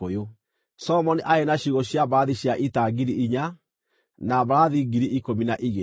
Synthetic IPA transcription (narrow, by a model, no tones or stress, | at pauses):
ojo | sɔmɔniʔaenaɕiɣɔɕjaβaaðiɕjaʔitaɡiɾiʔiɲa | naβaɾaðiɡiɾiʔikominaʔiɣe